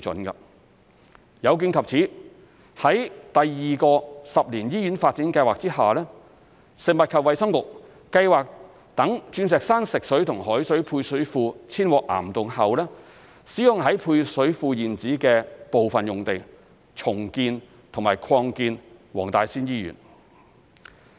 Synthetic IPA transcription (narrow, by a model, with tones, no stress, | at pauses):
t͡sɵ̰˨˥nkɐ̰˧ | jɐ˨˧wk̬iː˧nkʰɐ˨p̚t͡sʰiː˨˥ | hɐ˨˥jt̪ɐ˨jːiː˨˩kɔː˧sɐ˨p̚liː˨˩njiː˥jyː˨˥nfaː˧t̚t͡siː˨˥nkɐ˧jwaː˨k̚t͡siː˥haː˨˩lɛː˥ | sɪ˨˩ŋmɐ˨t̚kʰɐ˨p̚wɐ˨jsɐ˥mkʊ˨k̚ː | ɐ˧jwaː˨k̚ | t̪ɐ˨˥ŋt͡ʃyː˧nsɛː˨k̚saː˥nsɪ˨k̚sɵ˨˥ɥt̪ʰʊ˨˩ŋɦɔː˨˥jsɵ˨˥jpʰuː˧jsɵ˨˥ɥfuː˧t͡sʰiː˥nwɔː˨˧k̚ʔa̰ː˨˩mt̪ʊ˨ŋhɐ˨wlɛː˥ | siː˨˥jʊ˨ŋɦɐ˨˥jpʰuː˧jsɵ˨˥ɥfuː˧jiː˨˩nt͡siː˨˥kɛː˧po˨wfɐ˨njʊ˨˩ŋt̪e˨˩ | t͡sʰʊ˨˩ŋkiː˧n | t̪ʰʊ˨˩ŋma̰ː˨jkʰɔː˧ŋkiː˧nwɔː˨˩ŋt̪aː˨jsiː˥njiː˥jy̰ː˨˩n